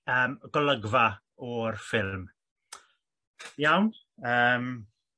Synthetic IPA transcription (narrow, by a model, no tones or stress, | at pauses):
əːmɡ̥ɔləɡva | ɔrfɪlˠm | jawn | əːm